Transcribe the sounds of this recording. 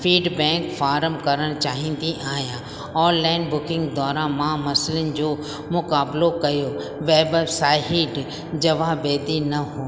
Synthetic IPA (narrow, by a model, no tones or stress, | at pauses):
fiːɖbɛ̃ːŋkfaːɾəmkɐɾəɽ̃t͡ɕaːɦĩnd̪iʔaːɦjã | ɔːnlaːɪnbʊkɪ̃ŋɡd̪ɔːɾãmãmɐsɪlənɪ̆d͡ʑoː | mʊkaːblokɐjo | ʋeːbsaːɦɪɖ | d͡ʑɐʋabeːd̪inɐɦoː